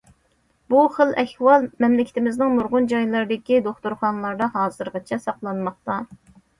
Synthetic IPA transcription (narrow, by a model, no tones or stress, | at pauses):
b̥uχəlˠʔɛhwɑlˠmɛmlɪkʲɪ̥t̪ɪmɪznɪŋmuɾʁʊnd͡ʒɑjlˠɑɾɨd̪ɪkʲid̪oχt̪uɾχɑnɨlˠɑɾd̪ɑɦɑːzɨɾʁɑt͡ʃʰɛsɑqlˠɑnmɑχt̪ɑ